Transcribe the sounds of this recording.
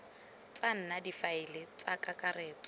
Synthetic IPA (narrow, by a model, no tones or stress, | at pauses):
t͡sʼan̩nadifaɪlɪt͡sakakʼareːt͡sʼɔ